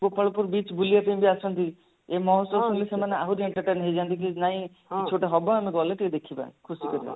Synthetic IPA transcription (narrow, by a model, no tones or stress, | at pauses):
bopəɭɔpuɾbit͡ʃbulijapeĩbʱiasɔnt̪i | emɔɦɔt̪wɔsunlisemaneaɦuɾieɳʈəɾʈenɦejd͡ʒant̪ik̬inaɦĩ | et͡ʃʰoʈeɦɔbaameɡɔleʈejd̪ekʰibã̰kʰusikɔɾibã̰